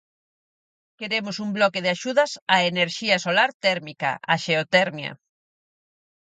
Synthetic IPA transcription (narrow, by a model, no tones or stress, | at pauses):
keɾemʊsumblɔkeðɪaʃuðɐsaeneɾʃiɐsolaɾt̪ɛɾmikɐ̰ʔaʃeot̪ɛɾmjɐ̰